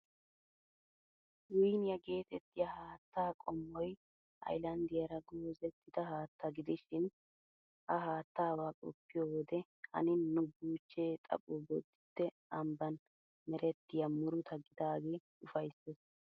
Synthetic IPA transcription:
wʊjnɪjɐɡe̞ːt̪ɛt̪ːɪjɐhaːt̪ːaːkʼɔmːɔj | ʔɐ̰jlɐnd̪ɪjɐɾɐɡoːzɛt̪ːɪd̪ɐhaːt̪ːɐɡɪd̪ɪʃɪn | ʔɐɦaːt̪ːaːwakʼɔpːɪjowɔd̪ɛ | hɐ̰nɪnːʊbuːt͡ʃːeːt̪ʼɐ̰pʼobɔd̪ːɪt̪ːɛ | ɐmbɐn | mɛɾɛt̪ːɪjɐmʊɾʊt̪ʰɐɡːɪd̪aːɡe̞ː | ʊfɐjsːɛs

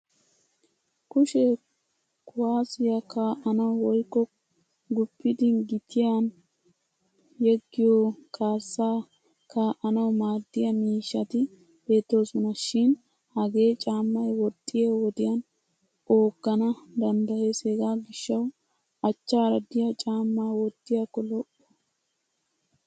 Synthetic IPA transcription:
kʊʃɛ | kʊwaːsɪjɐkaːʔɐnɐwwɔjkːɔ | ɡʊpːɪd̪ɪɡɪt̪ʰɪjan | jɛɡːɪjoːkʰaːsːaː | kaːʔɐnɐwmaːd̪ːɪjɐmiːʃːɐt̪ɪ | be̞ːt̪ːo̞ːsɔnɐʃɪn | hɐɡe̞ːt͡ʃʼaːmːɐjwɔt̪ʼːɪjewɔd̪ɪjɐn | ʔo̞ːɡ̥ːɐnɐd̪ɐnd̪ɐheseɡaːɡɪʃːɐw | ɐt͡ʃːaːɾɐd̪ɪjɐt͡ʃʼaːmːaːwɔd̪ːɪjakːɔlɔʔːɔ

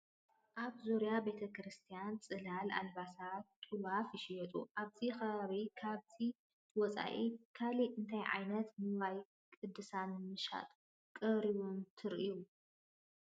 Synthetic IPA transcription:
ʔaβzoɾjabe̞t̪ʰɐkɾɨst̪ʰijant͡sʼɨlala̰lβasat̪ʼuwafjɪʃijɛt̪ʼṵʔaβzixɐβaβikʰaβzʰi | wɔt͡sʼa̰ʔikʰaliʔɨnt̪ʰajʕa̰jnɐt̪mɨβaj | kʼɨd̪ːɨsanɨmɨʃa̰t̪ʼ | kʼɨɾiβunt̪ʰɨɾʔiu

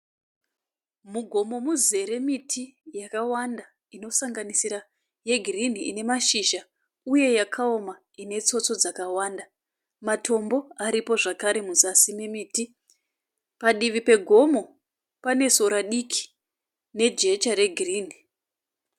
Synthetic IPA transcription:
muɡʱo̞mo̞muze̞ɾe̞mitʰijakawanda | ino̞saŋɡanisiɾa | je̞ɡʱirin̤iine̞maʃiʒa | uje̞jakʰao̞ma | ine̞t͡so̞t͡so̞d͡zakawaːnda | matʰo̞mbo̞aɾipo̞ʐakaɾe̞muzasimemiːti | paɗiʋipe̞ɡʱo̞mo̞ | pane̞so̞ɾaɗikʰi̥ | ne̞d͡ʒe̞t͡ʃaɾe̞ɡʱiriːni

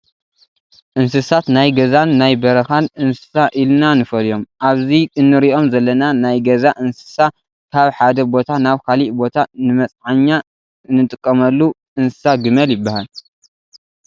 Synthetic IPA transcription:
ʔɨns̬ɨsat̪najɡɐzanːajbɐɾɐxanʔɨnsɨ̥saʔilnanɨfɐljo̞mʔaβziʔɨnːɨɾiʔo̞mzɐlːɐnanajɡɐzaʔɨnsɨ̥sa | kʰaβħad̪ɐbo̞t̪ʰanaβkʰaliʔbo̞t̪ʰanɨmɐt͡sʼʕaɲːa | ɨnːɨt̪ʼɨkʼːɐmɐlːu | ʔɨnsɨ̥saɡɨmɐljɪbːahal

